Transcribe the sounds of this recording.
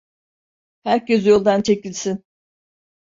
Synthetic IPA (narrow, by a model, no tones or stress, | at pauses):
hæɾcezjo̞lˠd̪ant͡ʃʰe̞cilʲsin